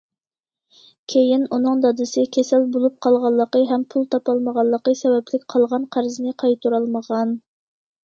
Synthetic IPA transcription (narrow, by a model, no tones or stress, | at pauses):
kʲʰejinunɨŋd̪ɑd̪ɨsɨkʲʰɛsɛlbolˠup̚qʰɑlˠʁɑlˠːəqəɦɛmpʰulˠt̪ʰɑpɑlˠməʁɑlˠːəqəsɛwɛplɪk̚ʲqʰɑlˠʁɑnqʰæɾzɨnɨqʰɑjt̪uɾɑlˠməʁɑn